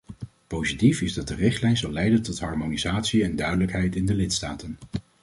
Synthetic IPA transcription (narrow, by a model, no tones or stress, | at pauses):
powzitifɪzdɑt̚dərɪχtlɛjnzɑlːɛjdəntɔtɦɑɹmonizaːtsiɛndœɥdələkɦɛjtɪndəlɪtstaːtən